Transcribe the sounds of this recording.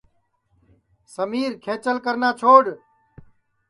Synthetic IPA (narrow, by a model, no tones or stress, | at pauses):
səmiːɾkʰeːt͡ʃəlkəɾnaːt͡ʃʰoːɽ